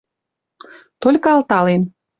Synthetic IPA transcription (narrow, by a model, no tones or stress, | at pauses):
t̪olʲkɤɑlt̪ɑlem